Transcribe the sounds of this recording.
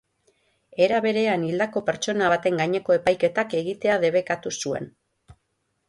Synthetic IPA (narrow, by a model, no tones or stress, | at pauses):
e̞ɾaβe̞ɾe̞anild̪ako̞pe̞ɾt͡ʃo̞naβat̪e̞ŋɡaɲe̞ko̞e̞pajke̞t̪ake̞ɣit̪e̞aðe̞βe̞kat̪usue̞̰n